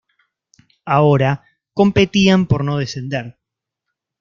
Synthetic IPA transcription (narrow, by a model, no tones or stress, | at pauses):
ao̞ɾa | ko̞mpe̞t̪iampo̞ɾno̞ðese̞nd̪e̞ɾ